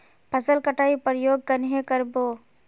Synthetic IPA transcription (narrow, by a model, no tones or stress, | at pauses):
pʰəsəlkəʈaːipɾjoːɡ̚kənɦekəɾboː